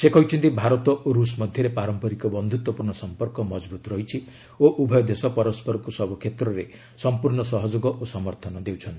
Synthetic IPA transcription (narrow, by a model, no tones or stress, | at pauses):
sekɔit͡ʃʰint̪ibʱaɾɔt̪ɔoɾusmɔd̪ʱjɔɾepaɾɔmpɔɾikɔbɔnd̪ʱut̪wɔpuɾɳɔsɔmpɔɾkɔmɔd͡ʒbut̪ɾɔɦit͡ʃʰi | oʔubʱɔjɔd̪esɔpɔɾɔspɔɾɔkusɔbɔkʰet̪ɾɔɾe | sɔmpuɾɳɔsɔɦɔd͡ʒoɡɔʔosɔmɔɾt̪ʰɔnɔd̪ewt͡ʃʰɔnt̪i